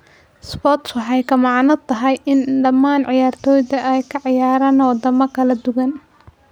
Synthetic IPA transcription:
sbɔːt̪swɑħɑjkʰɐmɑʕnɐt̪ʰɐɦɛjɪnɖɐmaːnʕɪjaːrt̪ʰɔːjðɐʔɛjkʰɐʕɪjaːɾaːnwɑd̪ɐmɐkʰɐlɐd̪ʊɣɐn

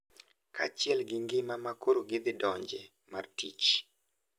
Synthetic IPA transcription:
kʰa̰t͡ʃɪɛlɡɪŋɡɪmamakoɾoɡɪd̪ɪdɔɲd͡ʒe | martit͡ʃ

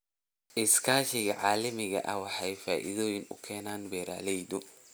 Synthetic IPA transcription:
ʔɪskʰaːʃɪɣɐʕɑːlɐmɪɣɐ̰ʔɐwɑħɑjfaːʔɪ̰ðɔːjɪnʊ̰kʰɛːnaːnbɛːɾa̰ːlɛjd̪ʊ

